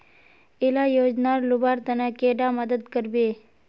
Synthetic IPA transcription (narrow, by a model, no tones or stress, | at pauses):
elajod͡ʒnaɾlubaɾt̪ənakeɖaməd̪əd̪kəɾbe